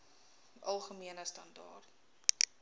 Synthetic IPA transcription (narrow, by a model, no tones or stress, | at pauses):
ʔɐlˠχəmiənəstɐndɑ̰ːrt